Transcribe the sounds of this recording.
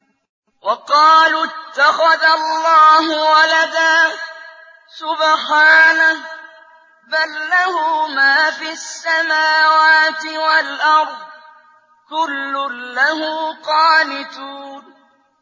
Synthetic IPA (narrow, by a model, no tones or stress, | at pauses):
wɑqɑːlʊt̪ːaxaðallˤːɑːɦʊwalad̪aː | sʊbħaːna | balːahʊːmaːfiːasːamaːwaːt̪ɪwalʔɑɾˤd̪ˤ | kʊlːʊlaɦʊːqɑːnɪt̪uːn